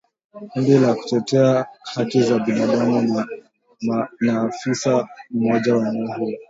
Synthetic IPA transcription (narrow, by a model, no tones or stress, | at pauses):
kundilaku̥tɛtɛahakizaɓinaɗamu | naːfisam̩mɔʄawanɔɦu